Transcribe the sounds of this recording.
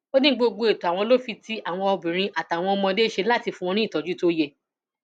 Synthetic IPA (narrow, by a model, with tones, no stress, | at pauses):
o˦nĩ˦ɡ͡bo˧ɡ͡bu˧e˨to˨a˨w̃ɔ̃˧lo˦fi˧ti˦a˦˨w̃ɔ̃˧ɔ˧bĩ˨ɾ̃ĩ˧ʔa˨ta˨w̃ɔ̃˧ɔ˧mɔ̃˧de˦ʃe˧la˦˨ti˧fũ˧w̃ɔ̃˧nĩ˦˨tɔ˨d͡ʒu˦to˦je˧